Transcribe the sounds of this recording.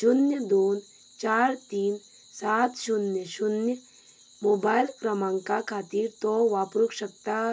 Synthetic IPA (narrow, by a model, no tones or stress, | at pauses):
ʃʊnjəd̪oːn | t͡ʃaːɾt̪iːn | saːt̪ʰʃʊnjəʃʊnjə | moːbaːɪlkɾɐmãːŋkakʰaːt̪iːɾt̪oʋaːpɾukʃək̚t̪a